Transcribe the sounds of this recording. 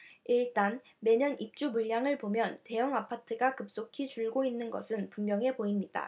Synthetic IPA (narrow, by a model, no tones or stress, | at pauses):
iɭt͈an | me̞ɲʌnip̚t͡ɕ͈umuɭːaŋɯɭpomjʌnte̞jʌŋapʰatʰɯɡakɯp̚s͈okʰit͡ɕuɭɡoinːɯnɡʌ̰sʰɯnpummjʌŋe̞poimɲid̥a̰